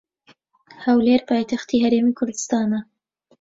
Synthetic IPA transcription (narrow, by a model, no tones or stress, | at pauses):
hɐwleːɾpʰɑːjt̪ʰaxt̪iːhɐɾeːmiːkʰʊɾd̪ɨst̪ɑːnɐ